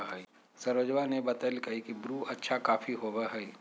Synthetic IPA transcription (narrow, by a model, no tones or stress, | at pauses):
ɦɛi | sɐɾʋəd͡ʒʋanebɐt̪əlkɐɦikibɾuːɐtːʃʰakaːfiɦoːʋeɦɛi